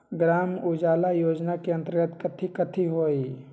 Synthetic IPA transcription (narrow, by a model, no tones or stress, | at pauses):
ɡɾaːmʊd͡ʒaːlajoːd͡ʒnakeə̃nt̪əɾɡət̪kət̪ʰikət̪ʰiɦoːi